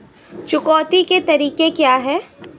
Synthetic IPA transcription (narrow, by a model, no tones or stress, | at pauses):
t͡ʃʊkɔːt̪iket̪ɐɾiːkekjaːɦɛː